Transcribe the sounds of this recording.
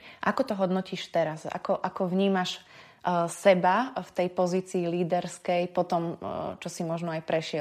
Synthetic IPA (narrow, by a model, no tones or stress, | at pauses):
ʔakɔt̪ɔɦɔd̪nɔciːʃt̪ɛɾasa̰kɔʔakɔʋɲiːmaʃ | sɛbaft̪ɛjpɔziːt͡siːliːd̪ɛɾskɛjpɔt̪ɔmt͡ʃɔsimɔʒnɔajpɾɛʃɪɛ